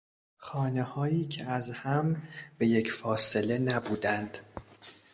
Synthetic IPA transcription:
xɒːnehɒːjiːcʰeæzhæmb̥e̞je̞cʰfɒːse̞le̞næbuːd̪ænd̪̥

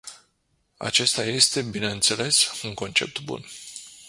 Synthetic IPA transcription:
a̰t͡ʃe̞st̪aje̞st̪e̞bineɨnt̪se̞le̞suŋko̞nt͡ʃe̞̰p̚t̪bṵn

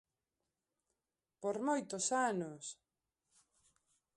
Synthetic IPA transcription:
poɾmojt̪osanos

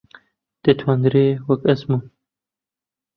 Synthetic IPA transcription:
d̪̥et̪ʰwand̪ɾewɐkɐsmu

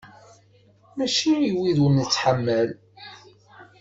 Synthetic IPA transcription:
mæʃiiwiðunt͡sːħamːæl

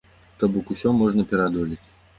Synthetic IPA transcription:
t̪ɔbɔkusʲɔmɔʐnɐpʲɛɾad̪ɔlʲit͡sʲ

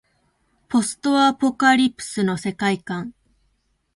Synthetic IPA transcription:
po̞sɨ̥t̪oapo̞kaɾʲipɯ̟̥sɨno̞se̞kaikãŋ

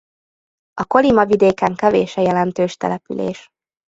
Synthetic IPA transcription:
ɒko̞limɒvid̪eːkɛŋkɛvḛːʃɛjɛlɛnt̪øːʃt̪ɛ̰lɛpy̰lḛːʃ

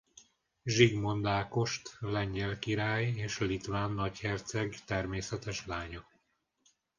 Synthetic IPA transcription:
ʒiɡmo̞nd̪aːko̞ʃt̪lɛɲɟɛlkiɾaːjeːʃlit̪ʋaːnːɒchɛrt̪sɛɡt̪ɛrmeːsɛt̪ɛʃlaːɲo

